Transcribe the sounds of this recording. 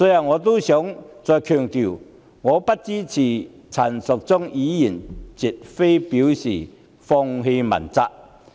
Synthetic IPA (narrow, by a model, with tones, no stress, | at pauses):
sɔː˨˥jɐ˨˧˩wŋɔː˨˧t̪o˥sjœː˨˥ŋt͡sɔː˨˧jkʰœː˨˩ŋt̪i˨w | ŋɔː˨˧pɐ˥t̚t͡siː˥t͡sʰiː˨˩ | t͡sʰɐ˨˩nsʊ˨k̚t͡sʊ˥ŋjiː˨˥ji˨˩nt͡si˨t̚fe˥jpiː˨˥wsḭː˨˩ | fɔː˧ŋɦe˧jmɐ̰˨˩nt͡sa˧k̚